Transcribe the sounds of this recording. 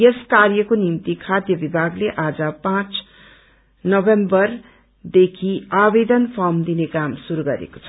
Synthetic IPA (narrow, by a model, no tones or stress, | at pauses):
jeskarjʌkonimt̪ikʰad̪jʌbibʱaɡleʔad͡zʌpãt͡s | nʌbembʌr | d̪ekʰiabed̪ʌnpʰʌmd̪inekamsuɾuɡʌɾḛko̥t͡sʰʌ